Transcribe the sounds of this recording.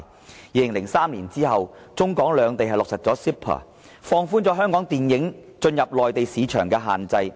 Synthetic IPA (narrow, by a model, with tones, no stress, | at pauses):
jiː˧lɪ˨˩ŋlɪ˨˩ŋsaː˥mliː˨˩nt͡siː˥hɐ˨w | t͡sʊ˥ŋkɔː˨˥ŋlœː˨˥ŋt̪e˨jɦɐ˨˩jlʊ˨k̚sɐ˨t̚t͡sɔː˨˥si˥pʰɐ̰ː˨˩ | fɔː˧ŋfuː˥nt͡sɔ˨˥ɦœː˥ŋkɔː˨˥ŋt̪iː˨njɪ˨˥ŋ | t͡ʃɵ˧njɐ˨p̚lɔː˨jt̪e˨jsiː˨˧t͡ʃʰœː˨˩ŋkɛː˧ɦa̰ː˨nt͡sɐ˧j